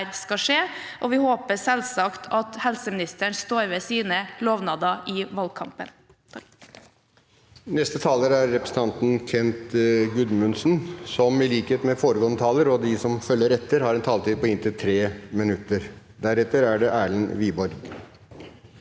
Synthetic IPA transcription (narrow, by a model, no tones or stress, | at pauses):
ɾskɑʂeːʔɔʋɪhoːpəsɛlsɑkt̪ʰɑt̪hɛlsəmɪnɪst̪əɳst̪oːɾʋɛːsiːnəloːʋnɑːd̪ɑʔɪʋɑl̚kʰɑmpə̰n | nɛst̪ət̪ʰɑːləɾæɾːɛpɾsn̩t̪ʰɑnt̪n̩kʰɛnt̪ɡʉd̪mʉnsnsɔmɪliːkəeːt̪mɛfoːɾəɡoːnət̪ʰɑːləɾɔd̪ɪsɔmfœlːəɾɛt̪ːəɾhɑɾɛnt̪ʰɑːlt̪iːd̪pɔɪnt̪ɪlt̪ʰɾeːmɪnʉt̪ːəɾ | d̪æɾɛt̪ːəɾæɖɛʔæːɭənʋiːbɔɾɡ